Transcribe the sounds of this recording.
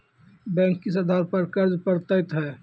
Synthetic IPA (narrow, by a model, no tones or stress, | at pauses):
bɛ̃ːŋkːis̬ɐd̪ʱaːɾpɐɾkɐɾd͡ʒpəɾt̪əɪt̪ɦɛː